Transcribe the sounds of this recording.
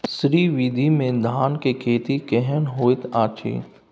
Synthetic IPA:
sɾiːʋid̪ʱimẽd̪ʱaːnkekʰeːt̪ikɛɦənɦoːɪt̪aːt͡ʃʰḭː

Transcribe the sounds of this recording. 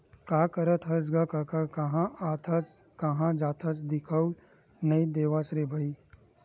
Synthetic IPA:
kaːkɐɾət̪ɦɐs̬ɡakakakɐɦãat̪ʰɐt͡s | kɐɦãd͡ʒaːt̪ʰɐt͡sd̪ɪkʰəw | nɐid̪eːʋasɾebʱɐi

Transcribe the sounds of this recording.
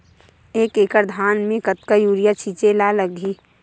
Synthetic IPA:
eːkeːkəɾd̪ʱaːnmẽkət̪̚kajuːɾijat͡ʃʰit͡ʃelaləɡʱi

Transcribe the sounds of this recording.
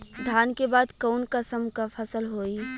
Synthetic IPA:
d̪ʱaːnkebaːd̪kɔːnkəsəmkafʰɐsəlɦoːi

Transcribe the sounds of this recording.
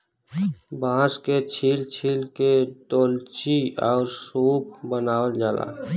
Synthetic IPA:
bãːsket͡ʃʰilt͡ʃʰiːlkeʈoːlt͡ʃiɔːɾsuːp̚bənaːəld͡ʒaːla̰

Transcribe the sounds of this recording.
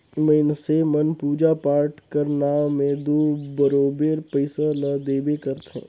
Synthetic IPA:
məɪnsemənpuːd͡ʒapaːɾʈkɐɾnaːẽd̪oːbəɾoːbeːɾpəɪsanɐd̪eːbekɐɾt̪ɦɛ̰̃ː

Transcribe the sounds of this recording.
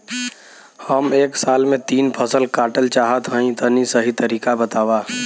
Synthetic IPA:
həmeːksaːlmẽt̪iːnpʰəsəlkaːʈəlt͡ʃaːɦət̪ɦə̃ĩt̪ənisəɦit̪əɾiːkabət̪aːwaː

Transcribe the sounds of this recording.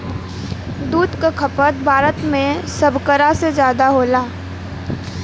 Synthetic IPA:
d̪uːd̪kakʰɐpət̪̚bʱaːɾət̪mẽsɐbʱkəɾasezjaːd̪aɦoːlaː

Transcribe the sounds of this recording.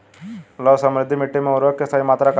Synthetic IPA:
lɔsəmɾɪd̪ʱːimiʈːimẽuɾʋək̚kːesaɦimat̪ɾak

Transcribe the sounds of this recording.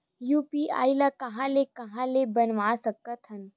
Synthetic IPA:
jupia̰ilakəɦãlekəɦãlebənʋasəkət̪ʰɦən

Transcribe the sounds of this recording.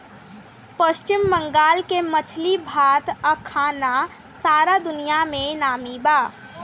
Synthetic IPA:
pəʃt͡ʃɪmːə̃ŋɡaːlkemət͡ʃʰlibʱaːt̪əkʰːaːna | saːɾad̪ʊnijamẽnaːmibaː

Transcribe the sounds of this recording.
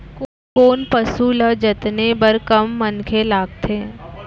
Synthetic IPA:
k | koːnpɐsuləd͡ʒɐt̪nebɐɾkɐmːənkʰelaːɡ̚t̪ʰeː

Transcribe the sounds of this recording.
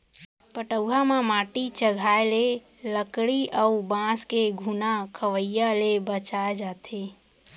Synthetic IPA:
pəʈəwɦamamaʈit͡ʃəɡʱaele | ləkɽiʔəubãskeɡʱunakʰəʋəjalebət͡ʃaed͡ʒat̪ʰe

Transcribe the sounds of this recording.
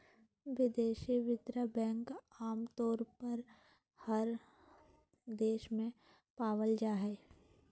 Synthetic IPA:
ʋɪd̪eːʃiʋɪt̪ɾəbɛ̃ːŋkaːmt̪ɔːɾpəɾ | hɐɾ | d̪eːʃmẽ | paːʋəld͡ʒaːɦɛː

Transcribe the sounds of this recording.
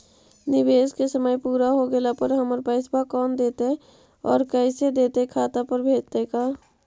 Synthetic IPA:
nɪbeːskesəməjpuːɾaɦoɡelapəɾɦəməɾpɛːɪsbakɔːnd̪eːt̪ɦɛ | ɔ̰ːɾkɛɪsed̪eːt̪ekʰaːt̪apəɾbʱeːd͡ʒt̪ekaː

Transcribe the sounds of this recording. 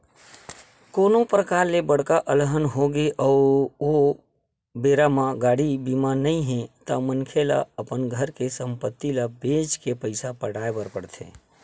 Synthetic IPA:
konopɾəkaɾlebəɽkaʔəlɦənɦoɡeʔəʊɾo | beɾamãɡaɽibimanəĩɦɛ̃t̪əmənkʰela̰əpənɡʱəɾkesəmpət̪ːilabed͡ʒkepəɪsapəɽaebəɾpəɽt̪ʰḛ̃

